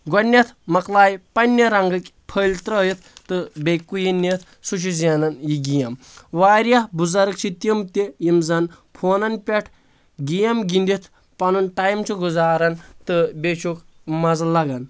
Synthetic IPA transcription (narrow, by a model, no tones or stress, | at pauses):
ɡɔnʲːɐt̪ʰmɐklaːjpɐnʲːɐɾɐŋɡɐkʲpʰəlʲt̪ɾɐːjit̪ʰt̪ɨbejkːujinːet̪ʰ | sut͡ʃʰizʲanɐnjiɡijɐmʋaːɾjabuzɐɾɨk̚t͡ʃʰit̪imt̪ejimzɐn | pʰoːnɐnpʲɐʈʰ | ɡʲijɐmɡind̪it̪ʰ | pɐnunʈajmt͡ʃʰuɡuzaːɾɐnt̪ɨbet͡ʃʰuk | mɐzɐlɐɡɐn